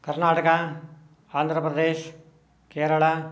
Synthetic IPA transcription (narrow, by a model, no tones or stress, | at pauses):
kɐɾnaːʈəka | aːnd̪ʱɾəpɾəd̪eːʃ | keːɾəɭa